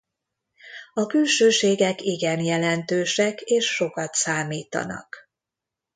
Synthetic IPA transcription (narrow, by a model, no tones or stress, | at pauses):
ɒkylʃøːʃeːɡɛkiɡɛnjɛlɛnt̪øːʃɛkeːʃːo̞kɒt̪saːmiːt̪ɒ̰nɒ̰k